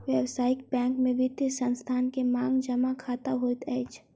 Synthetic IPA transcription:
ʋjɛwsaːɪk̚bɛ̃ːŋkmẽʋɪt̪isə̃nst̪ʰaːnkemãːŋɡd͡ʒɐmakʰaːt̪aɦoːit̪ɛːt͡ʃʰ

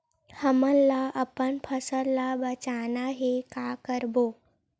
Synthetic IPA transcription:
həməlːaʔəpəɳpʰəsəlːabət͡sanaɦekakəɾbo

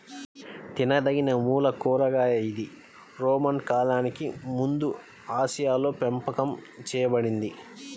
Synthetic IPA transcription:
t̪inɐd̪ɐɡinɐmuːlɐkuːɾɐɡaːɐjid̪i | ɾoːmɐnkaːlaːnikimund̪u | aːʃijaːlo̞ːpempɐkɐmt͡ʃɛːjɐbɐɽind̪i

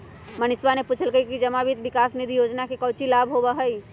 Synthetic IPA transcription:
mənɪsbaneput͡ʃʰəlkəikid͡ʒəmabit̪bikaːsnid̪ʱijod͡ʒnakekəʊt͡ʃilabʱɦobəɦəi

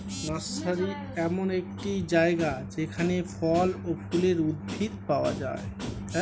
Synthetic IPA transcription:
ɾɔsaɾi | ɛmonek̚ʈid͡ʒaeɡad͡ʒekʰanepʰɔlopʰuleɾud̪̚bʱit̪paoa̰d͡ʒa̰e

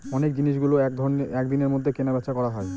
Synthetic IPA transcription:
ɔnek̚d͡ʑiniʃɡuloɛkd̪ʱɔnɛkd̪ineɾmod̪ʱːekenabɛtːʃʰakɔɾaɦɔe

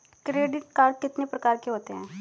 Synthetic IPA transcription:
kɾeːɖɪʈ̚kaːɾɖ̪̚kɪt̪nepɾɐkaːɾkeɦoːt̪eɦɛ̃ː

